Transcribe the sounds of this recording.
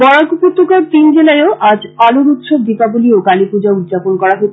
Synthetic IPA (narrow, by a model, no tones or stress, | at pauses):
bɔɽakuput̪ːokoɾt̪ind͡ʑelaeoʔad͡ʑaluɾut̪ʃobd̪ipabuliokalipud͡ʑaud̪d͡ʑaponkɔɽaɦot̪